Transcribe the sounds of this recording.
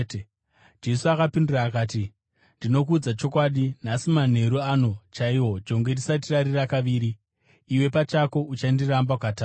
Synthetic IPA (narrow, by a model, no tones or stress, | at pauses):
d͡ʒe̞suakapindiraːkaːti | ndino̞k̬uːd͡zat͡ʃo̞kwaɗin̤asiman̤e̞ɾuano̞t͡ʃaiwo̞d͡ʒo̞ŋɡe̞ndisat̬iraɾirakaʋiːɾiː | we̞pat͡ʃako̞ʔut͡ʃandirambakata